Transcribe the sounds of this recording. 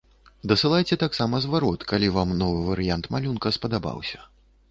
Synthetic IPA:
d̪ɐsɨlˠajt͡sʲɛt̪aksamɐzvaɾɔt̪kalʲivamnɔvɨvɐɾɨjant̪malʲunkɐspɐd̪aba̰wsʲɐ̥

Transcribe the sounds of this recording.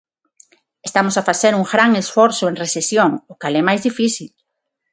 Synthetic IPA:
est̪amosafaθeɾuŋɡɾaŋesfɔɾθʊẽŋresesjoŋʊkalɛmajzðifiθil

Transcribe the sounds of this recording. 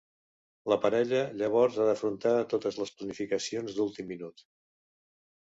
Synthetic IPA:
ləpəɾɛʎəʎəβ̞ɔɾzaðəfɾunt̪at̪ot̪əzləsplənifikəsionzd̪ulˠt̪imːinut̪

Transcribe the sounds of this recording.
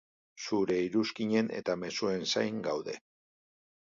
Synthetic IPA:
suɾe̞iɾuskiɲe̞ne̞̰t̪ame̞sue̞nsajŋɡawðe̞

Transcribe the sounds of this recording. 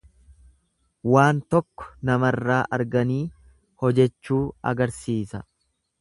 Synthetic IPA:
waːnt̪ɔkːɔ̥nɐmɐrːaːʔɐɾɡɐniː | hɔd͡ʒɛt͡ʃːuːɐ̰ɡɐɾsiːsɐ

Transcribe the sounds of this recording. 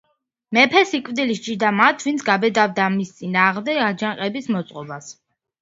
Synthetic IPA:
mɛpʰɛsikʼvd̪ilist͡ʃid̪amat̪ʰvint̪sʰɡabɛd̪avd̪amist̪sʼinaːʁmd̪ɛɡad͡ʒaŋqʼɛbismɔt̪sʼqʼɔbas

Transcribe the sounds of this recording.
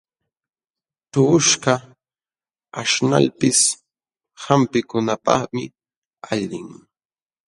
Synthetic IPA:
t̪ʊʊʃka | aʃna̰lpɪs | hampɪkʊnapɑ̰χmɪ | aʎɪŋ

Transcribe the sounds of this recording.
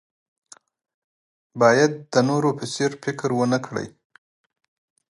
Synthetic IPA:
bɑjad̪̚ːənoɾopɪseɾfɪkɾwənəkɽə̰j

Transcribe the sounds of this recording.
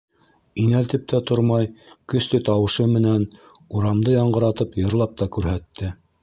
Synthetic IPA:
inælt̪ɘp̚t̪ʰæt̪oɾmɑjkɵ̆st̪ɵt̪ɑwɤ̆ʃɤmɘ̆næn | uɾɑmd̪ɤjɑɴɢɤ̆ɾɑt̪ɤpjɤ̆ɾlˠɑp̚t̪ɑkʉɾɦæt̪ːɘ

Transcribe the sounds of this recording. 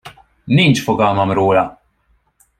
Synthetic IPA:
niːnt͡ʃfɔɡɐːmɐmɾuːlɐ

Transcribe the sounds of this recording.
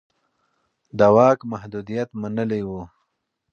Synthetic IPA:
d̪awɑkmahd̪ud̪ijat̪manəlewu

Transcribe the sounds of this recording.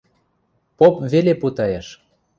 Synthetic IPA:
popveleput̪ɑjeʃ

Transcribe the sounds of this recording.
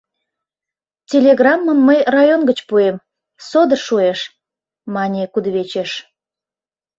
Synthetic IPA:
tʲelʲeɣrɑmːəmːəjrɑjonɡət͡ɕpuem | sod̪ərʃueʃ | mɑnʲekud̪βet͡ɕeʃ

